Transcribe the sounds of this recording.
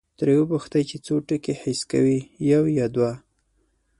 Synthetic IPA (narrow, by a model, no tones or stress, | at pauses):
t̪ɾewəbʊxt̪ajt͡ʃet͡soʈəkehɪska̰wijawjɑd̪wa